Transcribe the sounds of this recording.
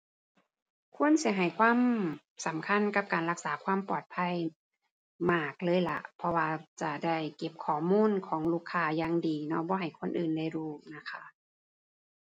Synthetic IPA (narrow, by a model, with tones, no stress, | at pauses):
kʰu˧˥˨ə˨nsi˨˦ɦa˨˩jkʰwaː˧˥˨m | sa˨˦mkʰa˧˥˨nka˧˦p̚kaː˨˩nɾa˧˥k̚saː˩˦kʰwaː˧˥˨mpɔː˨˩t̪̚pʰa˧˥˨j | maː˧˩k̚lɤː˧˥˨jla̰˧˦ʔpʰɔ˧waː˧t͡ɕa˧˩da˥˩jke˧˩p̚kʰɔː˨˩muː˧˥˨nkʰɔː˨˩˦ŋluː˧˩kʰːaː˧˩jaː˧ŋdiː˨˩nɔ˧˥bɔː˧ɦa˨˩jkʰo˧˥˨nʔɯː˨˩nda˧˩jɾuː˧˩na˧˥kʰa˧˥ʔ